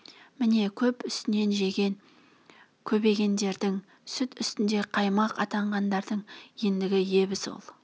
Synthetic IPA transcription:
mɪne̞kʲʰɵpʏst̪ɪne̞nʒe̞ɡʲe̞n | kʲʰɵbe̞ɡʲe̞nd̪e̞ɾd̪ɪŋ | sʏt̪ʏst̪ɪnd̪e̞qʰɑjmɑqʰɑt̪ɑɴʁɑnd̪ɑɾd̪əɴje̞nd̪ɪɡʲɪje̞βɪso̰lˠ

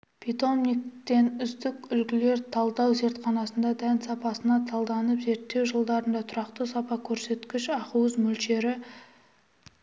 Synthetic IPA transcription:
pʰit̪o̞mnik̚t̪e̞nʏzd̪ɪkʲʏlkʲɪle̞ɾt̪ʰɑlˠd̪ɑwze̞ɾt̪χɑnɑsənd̪ɑd̪ænsɑpɑsənɑt̪ʰɑlˠd̪ɑnəpze̞ɾt̪ːe̞wʒəlˠd̪ɑɾənd̪ɑt̪ʰʊɾɑqt̪əsɑpɑkʲʰɵɾse̞t̪kʲɪʃɑquwəzmɵlʃe̞ɾɪ

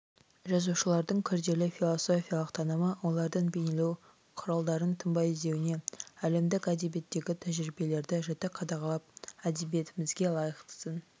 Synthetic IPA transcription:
ʒɑzuʃəlˠɑɾd̪əɴkʲʰʏɾd̪e̞lɪfʲijlˠo̞soafʲijalˠəqt̪ʰɑnəməwo̞lˠɑɾd̪ənbejnelew | qʰʊɾɑlˠd̪ɑɾənt̪ʰəmbɑjɪzd̪e̞wɪne̞æle̞md̪ɪkæd̪e̞bie̞t̪ːe̞ɡʲɪt̪ʰæʒɾibe̞le̞ɾd̪ɪʒɑt̪ɪqʰɑd̪ɑʁɑlˠɑp̚æd̪e̞bije̞t̪ɪmɪzɡʲe̞lˠɑjəqt̪ə̥sən

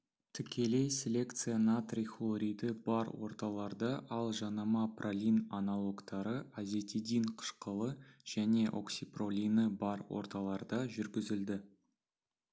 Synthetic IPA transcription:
t̪ʰʏkʲʰe̞le̞jsʲelʲe̞kt̪sɨjanat̪rʲixlˠoɾʲijd̪əbɑɾwo̞̰ɾt̪ɑlˠɑɾd̪ɑʔɑlˠʒɑnɑmɑprʔalʲinanɑlˠo̞ɡt̪ɑɾəazʲe̞t̪ʰid̪inqʰə̥ʃqəlˠəʒ̥æne̞ʔo̞̰ksʲipro̞lʲinəbɑɾwo̰ɾt̪ɑlˠɑɾd̪ɑʒʏɾɡʲɪzɪld̪ɪ

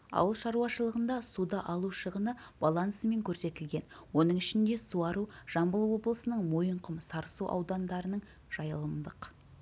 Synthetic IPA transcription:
ɑ̰wəlˠʃɑɾuwɑʃəlˠəʁənd̪ɑsud̪ɑʔɑlˠuʃəʁənəb̥ɑlˠɑnsəme̞ŋkʲʰɵɾse̞t̪ɪlɡʲe̞n | wo̞nəɴɪʃɪnd̪e̞suɑɾuʒ̥ɑmbəlˠwo̞blˠəsənəɴmo̞jəɴqʰəmsɑɾsuʔɑ̰wd̪ɑnd̪ɑɾənəɴ | ʒ̥ɑjəlˠəmd̪əq

